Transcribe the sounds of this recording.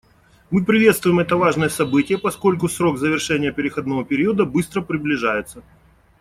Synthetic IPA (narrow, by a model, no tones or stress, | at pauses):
mɨpɾʲɪvʲe̞t̪st̪vʊjɪmɛt̪əvaʐnɨjəsɐbɨtʲɪjəpɐsko̞lʲkʊsɾo̞ɡzəvʲɪrʂɛnʲɪjəpʲɪɾʲɪxɐd̪novəpʲɪɾʲiəd̪əbɨst̪ɾəpɾʲɪblʲɪʐajɪt̪sə